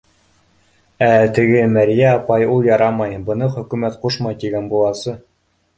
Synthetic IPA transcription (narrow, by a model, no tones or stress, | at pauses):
æt̪ɘ̆ɡɘmæɾijæɑpɑjulˠjɑɾɑmɑjbɤ̆nɤχɵ̆kʉmæt̪quʃmɑjt̪iɡænbulˠɑsɤ